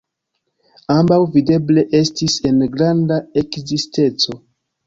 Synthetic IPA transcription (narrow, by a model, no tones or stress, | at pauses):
ambawvide̞ble̞ʔe̞stise̞nɡɾandae̞kziste̞t͡so̞